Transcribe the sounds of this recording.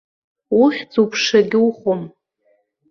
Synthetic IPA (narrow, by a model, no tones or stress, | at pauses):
uχʲd͡zupʰʂaɡʲɪuχom